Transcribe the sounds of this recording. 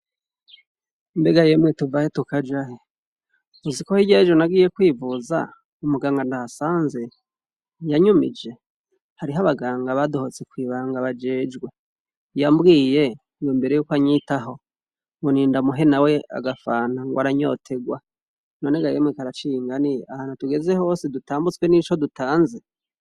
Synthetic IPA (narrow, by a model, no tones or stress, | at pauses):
imbe̞ɡaje̞mŋetuvahetukad͡ʒaɦe | uzikohiɟe̞ːd͡ʒwenaɡiːje̞kwiːvuza̰ | umuɡaːŋɡandahasaːnze̞ | jaɲumḭd͡ʒe̞ | haɾiɦaβaɡaːŋɡaβadohot͡se̞kwiːβaːŋɡaβad͡ʒeːd͡ʒɡwe | jambɡiːje̞ | ijumbe̞ɾejuːkwaɲitaɦo̞ | ŋɡoniːndamuɦe̞nawe̞a̰ɡafaːnaŋɡoaɾaɲo̞̰tʰe̞ɡwa | noneɡajemŋikaɾat͡ʃiŋɡaniahanotuɡe̞ze̞ho̞ːsidutaːmbut͡swenit͡ʃo̞dutaːnze